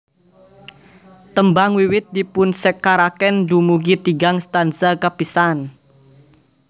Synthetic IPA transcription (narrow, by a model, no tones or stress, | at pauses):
t̪əmbaŋwiwɪt̪̚dipʊnsɛkaɾakɛndumuɡit̪iɡaŋst̪ansakapisan